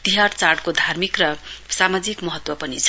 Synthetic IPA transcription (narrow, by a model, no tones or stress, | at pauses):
t̪iɦart͡sarɽkod̪ʱarmikrʌsamad͡zikmʌɦʌt̪wʌpʌnit͡sʰ